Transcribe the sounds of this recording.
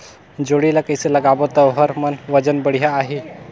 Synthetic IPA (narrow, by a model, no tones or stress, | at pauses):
d͡ʒoɽilakəjselɐɡabot̪aʋɦəɾmənʋəd͡ʒənbəɽ̤ijaːɦi